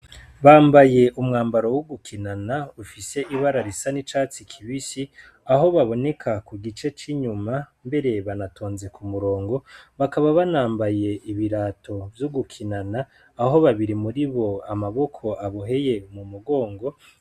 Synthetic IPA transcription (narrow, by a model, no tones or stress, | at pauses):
βaːmbaje̞ʔumŋaːmbaɾo̞wuɡukʰinanaufise̞ʔiβaɾaɾisanit͡ʃaːt͡sikʰiβisi | aɦo̞βaβo̞ne̞kʰakuɡit͡ʃe̞t͡ʃiɲumambe̞ɾe̞βanatʰoːnze̞kumuɾo̞ːŋɡo̞βakaβaβanaːmbaje̞iβiɾaːtʰo̞vjuɡukʰinanaː | ɦo̞βaβiɾimuɾiβo̞amaβo̞kʰo̞ʔaβoɦe̞je̞mumuɡo̞ːŋɡo̞